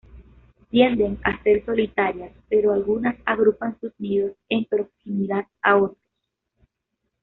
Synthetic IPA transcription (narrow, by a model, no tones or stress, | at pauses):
t̪je̞nd̪e̞ŋa̰se̞ɾso̞lit̪aɾjaspeɾo̞alɣunasaɣɾupansusniðosempɾo̞ksimiðaðao̞t̪ɾos